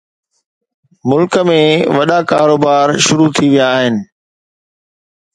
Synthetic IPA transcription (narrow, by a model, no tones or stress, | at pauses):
mʊlkəmẽʋɐɗakaːɾoːbaːɾʃʊɾut̪ʰiʋijaːɦɪnɪ̆